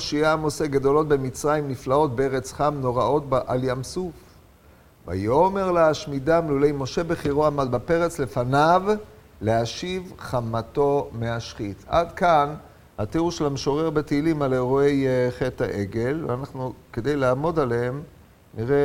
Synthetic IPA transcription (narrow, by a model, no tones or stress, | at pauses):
ʃiamo̞seɡad̪o̞lo̞t̪be̞mit͡sʁaimniflao̞t̪̚beeʁet͡sχamno̞ʁao̞t̪̚baʔaljamsuf | va̰jome̞ʁleaʃmidamelule̞jmo̞ʃe̞beχiʁoamad̪bape̞ʁet͡sle̞fanav | leaʃivχamato̞meaʃχita̰dkan | hat̪iʁuʃelameʃo̞ʁe̞ʁbet̪iːlimaleʁoejeχeta̰ʔe̞ɡe̞lvḛanaχnuke̞d̪ejlaːmo̞daleɦem | niʁe